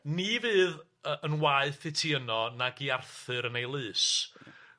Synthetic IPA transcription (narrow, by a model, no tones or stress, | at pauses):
nivɨːð | ənwaɨθɪtʰiənɔnaɡiarθɨɾənejlˠɨːs